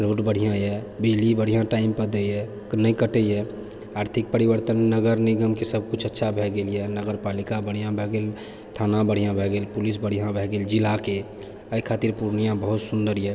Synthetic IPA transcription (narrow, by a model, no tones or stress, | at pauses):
ɾoːʈbəɽ̤ijãɛbɪd͡ʒlibəɽ̤ijãʈaɪmpəɾd̪ejɛ | knəĩkəʈəjɛ | aːɾt̪ʰik̚pəɾibəɾt̪ənːəɡəɾniɡəmkesəb̚ʱkut͡ʃʰətːʃʰabʱɛɡeljɛnəɡəɾpaːlikabəɽ̤ijãbʱɛɡel | t̪ʰanabəɽ̤ijãbʱɛɡeːlpʊlisbəɽ̤ijãbʱɛɡeld͡ʒilake | əikʰaːt̪iɾpuɾnijãbəɦut̪sʊnd̪əɾjɛ